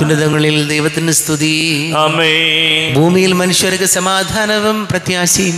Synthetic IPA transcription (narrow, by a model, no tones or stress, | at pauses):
unːiðɐŋːɡɐɭild̪ɐjʋɐt̪ːinɨst̪ʰuðiɐmeːbʱuːmijilmɐnuʂʋɐɾɐkːɨsɐmaːd̪ʱaːnɐʋɐmprɐt̪jaːsi